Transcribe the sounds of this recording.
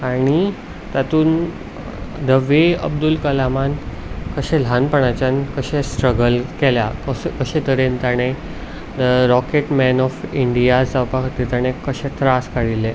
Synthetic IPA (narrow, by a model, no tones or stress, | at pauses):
aɽ̃i | t̪at̪uːn | d̪əʋeə̰b̚d̪ulkəlaman | kəɕẽlʱanpəɳat͡ɕankəɕesʈɾəɡəlkɛljakəkəɕet̪əɾent̪aɽ̃e | d̪əɾɔkeʈmɛnɔfiɳɖijad͡zd͡zawpakt̪it̪aɽ̃ekəɕẽt̪ʰɾaskaɽile